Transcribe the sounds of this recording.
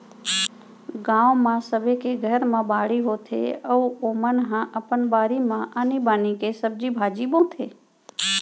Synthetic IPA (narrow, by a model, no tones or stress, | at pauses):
ɡãːʋmãsəʋekeɡʱəɾmãbaːɽiɦot̪ʰḛəuoːmənɦãʔəpənbaːɾimãʔənibaːnikesəb̚d͡ʒibʱaːd͡ʒibõt̪ʰeː